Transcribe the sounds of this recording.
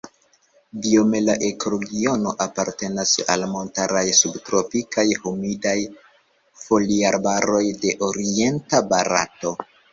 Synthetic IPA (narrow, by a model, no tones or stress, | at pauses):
dio̞me̞laʔe̞koɾoɡio̞no̞ʔapaɾte̞nasa̰lmo̞ntaɾajsubtɾo̞pikajhomidaj | fo̞liaɾbaɾo̞jde̞ʔo̞ɾie̞ntabaɾa̰to̞